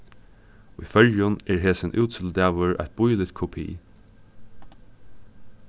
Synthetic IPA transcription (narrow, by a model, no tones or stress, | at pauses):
ujfœljʊnɛɹɦeːsɪnʔʉːt̪sɪld̪æːʋəɹʔæ̰ɪt̪̚b̥ʊjlɪt̪kʰɔpʰḭː